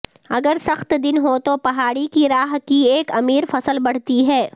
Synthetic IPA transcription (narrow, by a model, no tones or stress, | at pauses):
ɐɡəɾsɐxt̪d̪ɪnɦot̪opɐɦaːɽikiɾaːɦkieːkɐmiːɾfɐsəlbɐɽ̤t̪iɦɛː